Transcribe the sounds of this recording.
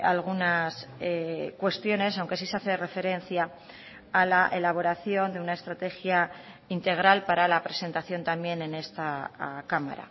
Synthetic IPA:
a̰lɣ̞unasekwe̞st̪jo̞ne̞sawŋke̞s̬iseaθere̞fe̞ɾe̞nθjaː | laʔelaβ̞o̞ɾaθjo̞nd̪e̞unae̞st̪ɾat̪e̞xja | int̪e̞ɣ̞ɾalpaɾalapɾe̞se̞nt̪aθjo̞nt̪ambje̞ne̞ne̞st̪akama̰ɾa̰

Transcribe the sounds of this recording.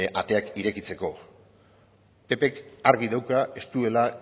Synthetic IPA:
ʔat̪e̞akiɾe̞kit͡se̞ko̞ | pe̞pe̞kaɾɣiðawkae̞st̪ue̞la

